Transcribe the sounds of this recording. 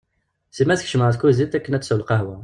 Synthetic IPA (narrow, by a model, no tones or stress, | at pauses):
simæsəkʃmaʕt̪kuzit̪ːækːənæt̪səwəlqɑhwæ